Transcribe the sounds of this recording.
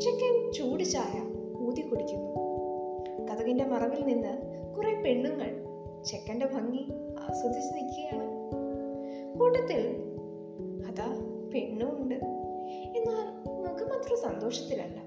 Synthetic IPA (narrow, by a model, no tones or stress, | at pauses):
t͡ɕekːɐnt͡ɕuːɽit͡ɕːaːjɐ | puːd̪ikːoɽikʲːunːu | kɐðɐɣinde̞mɐrɐʋilninːɨ | kurepe̞ɳːuŋːɐɭ | t͡ɕekːɐnde̞bʱɐŋːi | a̰ːsɐd̪it͡ɕːɐnikʲːiɣɐjaːɳɨ | koːʈːɐt̪ːil | ɐðaː | pe̞ɳːumuɳɖɨ | e̞nːaːl | nɐmɐkːɨmaːt̪rɐsɐnd̪o̞ːʂɐt̪ːilɐ̰lːɐ